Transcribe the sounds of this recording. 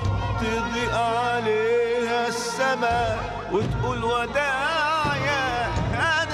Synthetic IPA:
t̪ɪɡ̪iʔʕaleːhasːaba | wɪt̪ʔuːlwad̪ajaha

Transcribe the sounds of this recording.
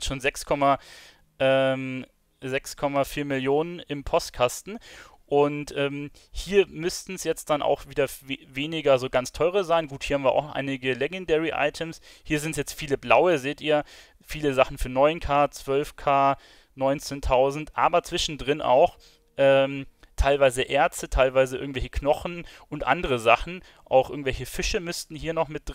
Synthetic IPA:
ʃoːnzɛkskʰɔma | ʔɛːm | zɛkskʰɔmafiːɐmɪljoːnənɪmpʰɔst̚kʰastn̩ | ʔʊntʔɛːm | hiːɐmʏstn̩sjɛt͡std̥anʔa̰ʊxv̥iːdɐvveːnɪɡɐzoːɡant͡stʰɔʏʁəzaɪnɡuːthiɐhamviːɐa̰ʊxʔa̰ɪnɪɡəlɛɡɛndɛʁiʔa̰ɪtʰəmshiːɐzɪntsjɛt͡stfiːləblaʊəzeːtʔiːɐ | fiːləzaχn̩fyːɐnɔʏnkʰaːt͡sv̥œlfkʰaː | nɔʏnt͡seːntʰaʊzn̩tʔa̰ːbɐt͡sv̥ɪʃn̩dʁɪnʔa̰ʊx | ʔɛːmtʰaɪlvaɪzəʔɛɐt͡stətʰaɪlvaɪzəʔɪ̰ɐɡŋ̩tv̥ɛlçəkʰnɔχn̩ʔʊntʔa̰ndəʁəzaχn̩ | ʔa̰ʊxʔɪɐɡŋ̩vɛlçəfɪʃəmʏstn̩hiːɐnɔχmɪt̚d̥

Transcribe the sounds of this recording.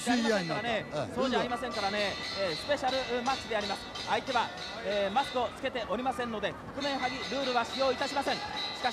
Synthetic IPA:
eaiaẽŋkaɾanesoːdeaɾimasẽŋkaɾane̞ːsɨ̥pe̞ɕaɾɯ̟mat͡ɕːid̪e̞aɾʲimasɨ̥ | ait̪e̞βa | eːmaskɯ̟o̞t͡sɨ̥ke̞t̪e̞ʔo̞ɾʲimasẽ̞nːo̞d̪e̞kokɯ̟mẽ̞ɰ̃ɦaɡʲiɾɯ̟ːɾɯ̟βaɕijo̞ːit̪aɕimasẽ̞ŋ̃ɕi̥ka

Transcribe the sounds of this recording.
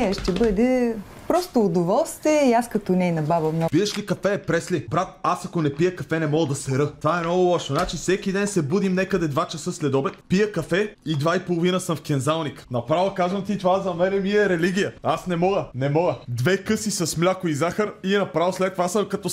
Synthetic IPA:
ɛʃt̪ɛbɤd̪ɛ | pɾɔst̪oːd̪ovɔlˠst̪viɛiaskɐt̪onɛnɐbabɐmnɔpiəʃlikɐffɛːpɾɛslibɾat̪̚asɐkonɛpijəkɐfɛnɛmɔɡəd̪ɐsɛɾɤt̪ovaɛmnɔɡʊlˠɔʃonat͡ʃisɛkid̪ɛnsɛbud̪imnɛkəd̪ɛd̪vat͡ʃɐsɤslɛd̪ɔbɛkpijəkɐfɛid̪vaipolˠovinəsəmfkʲɛnzalˠniknɐpɾavəkazvɐnt̪it̪ovazɐmɛɾɛmiɛɾɛliɡʲijəasnɛmɔɡənɛmɔɡəd̪vɛkɤsisɐsmlʲakoizaxəɾiɛnɐpɾavəslɛt̪ːovasɐmkɐt̪ɔ

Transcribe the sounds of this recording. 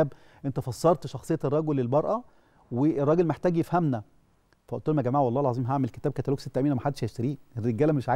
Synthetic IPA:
b | ʔent̪æfɑsˤːɑɾˤt̪ʃɑxsˤejːɑerˤːɑɡolːelbɑɾˤʔæ | werˤːɑːɡelmeħt̪æːɡjefhæmnæ | fæʔo̰ʔt̪uːlmæɡæmaːʕwɑlˤːɑːhelʕɑzˤiːmɦaʕmeleke̥t̪æːb̚kæt̪æloːkset̪ːæʔmiːnæmæħad̪ːeʃheʃt̪æɾiːerːeɡæːlæmeʃʕa

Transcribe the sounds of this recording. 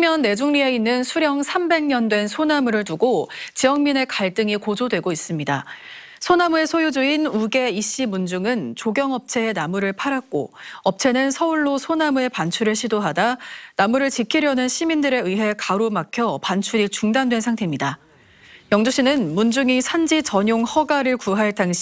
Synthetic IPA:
mjʌnːe̞d͡ʑuŋɲie̞inːɯnsʰuɾjʌŋsʰambe̞ŋɲʌndwe̞nsʰonamuɾɯɭtuɡot͡ɕijʌŋmine̞kaɭt͈ɯŋikod͡ʑodwe̞ɡois͈ɯmɲida | sʰonamue̞sʰojud͡ʑuinuɡe̞iɕ͈imund͡ʑuŋɯnt͡ɕoɡjʌŋʌp̚t͡ɕʰe̞ːnamuɾɯɭpʰaɾak̚k͈o̰ʌp̚t͡ɕʰe̞nɯnsʰʌuɭːosʰonamue̞pant͡ɕʰuɾɯɭɕʰidoɦadanamuɾɯɭt͡ɕikʰiɾjʌnɯnɕʰimindɯɾe̞ɯɦe̞kaɾomakʰjʌpant͡ɕʰuɾit͡ɕuŋdandwe̞nsʰaŋtʰe̞mɲida | jʌŋdoɕ͈inɯnmund͡ʑuŋisʰand͡ʑit͡ɕʌɲjoŋhʌɡaɾɯɭkuɦaɭtaŋɕʰ

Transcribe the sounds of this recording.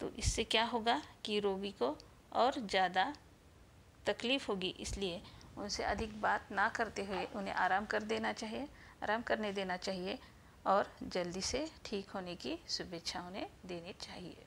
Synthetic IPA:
t̪o̰ːʔɪsːekjaːɦoːɡakiɾoːɡiko | ɔːɾzjaːd̪a | t̪ɐkliːfɦoːɡiʔɪ̰slieʊnseʔɐd̪ʱɪkbaːt̪nakɐɾt̪eɦʊeʔʊnɦḛ̃ʔaːɾaːmkɐɾd̪eːnat͡ʃaːɦie | aːɾaːmkɐɾned̪eːnat͡ʃaːɦie | ɔːɾd͡ʒɐld̪iseʈʰiːkɦoːnekisʊbeːt̪ʃʰaʊnẽd̪eːnet͡ʃaːɦiḛː

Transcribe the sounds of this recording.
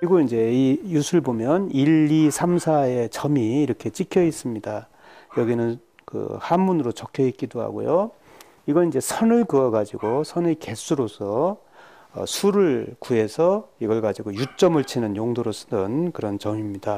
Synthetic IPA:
kɯɾiɡoind͡ʑe̞ijusʰɯɯɭbomjʌniʎːisʰamsʰae̞t͡ɕʌmiːɾʌkʰe̞t͡ɕ͈ikʰjʌis͈ɯmɲida | jʌɡinɯn | kɯ̰hanbunɯɾot͡ɕʌkʰjʌit̚k͈idoɦa̰ɡo̰jo | iɡʌind͡ʑe̞sʰʌnɯɭkɯʌɡad͡ʑiɡosʰʌneke̞s͈ʰuɾosʰʌ̰ː | sʰuɾɯɭkue̞sʰʌiɡʌɭɡad͡ʑiɡojut͡ɕ͈ʌmɯɭt͡ɕʰinɯnjoŋdoɾosʰɯ̥dɯnkɯɾʌnt͡ɕʌmimɲida

